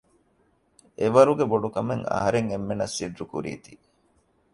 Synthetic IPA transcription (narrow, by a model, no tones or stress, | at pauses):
eʋɐɾuɡeboɖukɐmeŋɐ̰ɦɐɾeŋemːenɐsːiɖɾukṵɾḭːt̪i